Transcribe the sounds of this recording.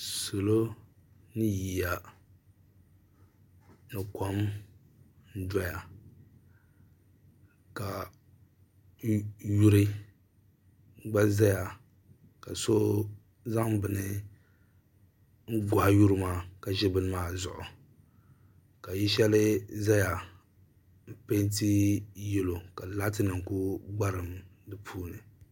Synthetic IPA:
so˨lo˦nɨ˦ji˨ja˨ | nɨ˨kɔ˦m | n̩˦da˦ja˨ | ka˨ | ju˦ɾɨ˦ | ɡ͡ba˦za˦ja˨ | ka˨so˦ | za˦ŋ˦bɨ˨nɨ˦ | ŋ̩˦ɡa˨ju˦ɾɨ˦maː˦˨ka˨ʒɛ˦bɨ˦nɨ˦maː˦˨zʊ̰˨ʔʊ˨ | ka˨ji˦ʃɛ˦lɨ˦za˦ja˨ | m̩˦pe˦nti˦jɛ˦lo˨ka˨la˦tɨ˦nɨ˨ŋ˨ku˦ɡ͡ba˦ɾɨ˨mdɨ˦pʰuː˦nɨ˨

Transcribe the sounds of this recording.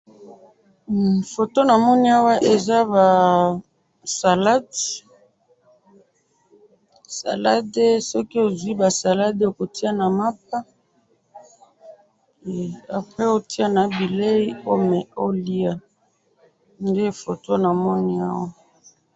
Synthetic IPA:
fo˨to˦na˨mɔ˦ni˦a˦wa˦ʔe˨za˦ba˨ | sa˨la˦d | sa̰˨la˦de˦sɔ˦ki˦o˨zwi˦ba˨sa˨la˦do˨ko˨ti˦a˦na˨ma˦p̚a˦˨ | a˨pʁɛ˦o˨ti˦a˦na˨bi˨le˦i˦o˦me˨o˦li˦a˨ | nde˦fo˨to˦na˨mɔ˦ni˦a̰˦wa˦

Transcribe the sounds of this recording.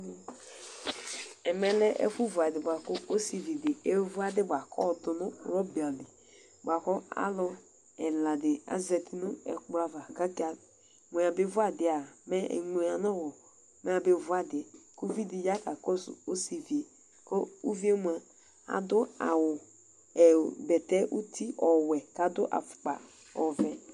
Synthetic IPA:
ɛ˨mɛ˦lɛ˦ʔḛ˦fu˦vu˨a˨dɪ˨bʷa˨ko˦o˦si˨vi˨dɪ˨e˦vu˦a˦dɪ˦bʷa˨kɔ̰˦˨dʊ˨nʊ˦˨˦ɾɔ˦bi˨a˨li˨ | ba˨kɔ˦a̰˦lɔ˦ | ɛ˨la˨dɪ˨a̰˦zɛ˨ti˦nʊ˦ɛ̰˨k͡pɾa˦va˨ka˦ki˦a˨ | mo˨a˨be˦vu˦a˦dɪ˨a˨mɛ̰˦˨ŋe˨a˨nɔ˦˨wɔ˨ | mɛ˦a˨be˦˨vu˦a˦dɪ˨ɛ˨ko˦vi˦di˨ja˦ka˨kɔ˦sṵ˨o˦si˨vi˨e˨ | ko˦u˦vi˦e˦m˨a˨ | a̰˨dʊ˦a̰˨wʊ˨ | ɛ˨bɛ˨tɛ˦ʔu˦tʰi˦ʔɔ˨wɛ˨ka˨˦dʊ˦ʔa̰˨fʊ̥˨k͡pa̰˨ | ɔ˨vɛ˨

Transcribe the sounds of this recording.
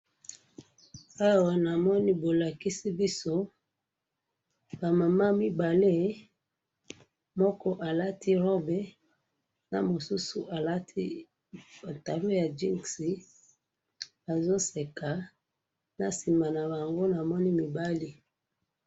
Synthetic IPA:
a˦wa˨na˨mɔ˦ni˦bo˨la˨ki˦si˦bi˦so˦ | ba˨ma˨ma˦mi˦ba˨le˦˨ | mɔ˦kɔ˦ʔa˨la˦tʰi˦ʁo˦be˦ | na̰˨mo˨su˦su˨ʔa˨la˦tʰi˦ | a˨ta˨lo˦ja˨d͡ʒi˦ŋsi˨ | a˨zo˦se˨ka˨ | na˨si˨ma˨na˨ba˨ŋɡo˦na˨mɔ˦ni˦mi˨ba˦li˦

